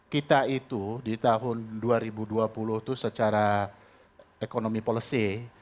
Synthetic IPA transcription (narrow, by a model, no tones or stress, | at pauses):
kit̪ait̪udit̪aɦʊnduaɾibuduapulʊht̪usət͡ʃaɾa | ekonomipoləsi